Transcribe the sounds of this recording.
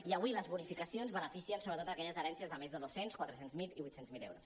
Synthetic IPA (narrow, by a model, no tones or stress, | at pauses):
iəβwiləzβunifikəsionzβənəfisiənsoβɾət̪ot̪əkɛʎəzəɾɛnsiəzðəmezðəðosenskwat̪ɾəsenzmiliβujt̪senzmilḛwɾos